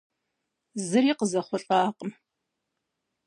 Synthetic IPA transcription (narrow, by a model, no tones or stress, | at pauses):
zɨɾiːqəzɐχʷɔɬʼaːqʼəm